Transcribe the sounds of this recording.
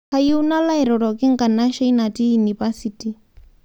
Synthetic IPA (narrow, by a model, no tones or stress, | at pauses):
kajiunalaɛɾɔɾɔkɪŋ̩kanaʃainatijunivasiti